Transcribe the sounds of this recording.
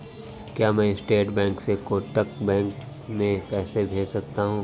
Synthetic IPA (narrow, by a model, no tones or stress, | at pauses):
kjaːmɛ̃ːɪsʈeːʈbɛ̃ːŋksekoːʈːək̚bɛ̃ːŋksmẽkɛːsebʱeːd͡ʒsɐk̚t̪aɦũː